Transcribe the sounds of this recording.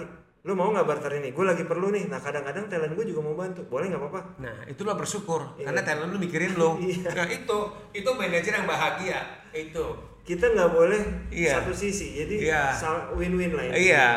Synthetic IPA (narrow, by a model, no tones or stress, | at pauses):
lomauŋɡabart̪əɾiniɡualaɡipərlunɪhnahkadaŋkadaŋt̪alənɡuad͡ʒuɡamaumbant̪ubolɛhŋɡapapanahḭt̪ulabərsukʊrkarnat̪alənlomikiɾɪnloijaait̪u | it̪umɛned͡ʒɪrjaŋbaɦaɡia | it̪u | kit̪aŋɡabolɛhisaat̪usisid͡ʒadijasawɪnwɪnlaɪnija